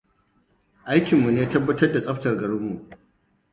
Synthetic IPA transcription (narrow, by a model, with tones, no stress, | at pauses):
ʔa˦jkʲɪ˨mːu˨neː˦tɐ˦bːɐ˦tɐ˦rda˨sʼɐ˦ɸtɐ˨rɡɐ˨ɽʊ˦mːu˨ʔ